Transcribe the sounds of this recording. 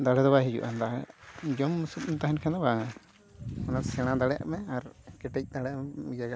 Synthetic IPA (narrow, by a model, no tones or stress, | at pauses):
d̪aɽɛd̪ɔbaɦid͡ʒṵʔand̪ad͡ʒɔmːusut̚mɛt̪aɦɛnkʰɛnd̪ɔbaŋa | ɔnasɛɽ̃ãd̪aɽɛʔaʔmɛaɾkɛʈɛc̚ˀd̪aɽɛmɛmid͡ʒaɡa